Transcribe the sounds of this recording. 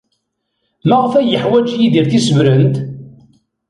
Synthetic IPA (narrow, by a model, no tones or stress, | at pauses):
mæʁfæjəħwæd͡ʒjiðiɾθisəvɾənt̪